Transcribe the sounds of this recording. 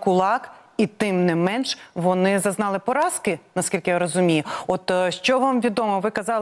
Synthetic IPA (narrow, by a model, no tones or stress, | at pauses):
kʊlˠɑkit̪ɪmnɪmɛnʃʋɔnɪzɐznɑlˠɪpɔɾɑskɪnɐskʲilʲkɪjaɾɔzʊmʲijʊɔt̪ʃt͡ʃɔʋɑmʋʲid̪ɔmɔʋɪkɐzɑlˠ